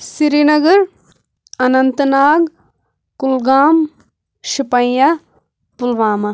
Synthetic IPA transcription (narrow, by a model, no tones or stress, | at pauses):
siɾinɐɡɐɾ | ɐnɐnt̪naːɡ | kulɡaːm | ʃipɐ̃jja | pulʋaːmɐ